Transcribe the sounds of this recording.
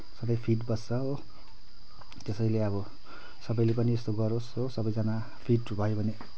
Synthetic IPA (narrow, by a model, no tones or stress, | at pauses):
sʌbʌjpʰiʈbʌst͡sʌɦo | t̪esʌjleʌβʌ | sʌbʌjlepʌniest̪oɡʌɾosɦosʌbʌjd͡zʌna | pʰiʈubʱʌjobʱʌne